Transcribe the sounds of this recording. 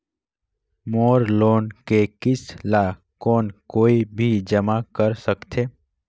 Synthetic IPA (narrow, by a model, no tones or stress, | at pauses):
moːɾloːnkekɪsla | koːnkoːibʱid͡ʒəmakəɾsəkt̪ʰeː